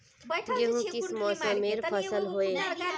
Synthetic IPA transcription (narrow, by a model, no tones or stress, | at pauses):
jɐɦũkɪsmɔːsə̃meːɾpʰɐsəlɦoːeː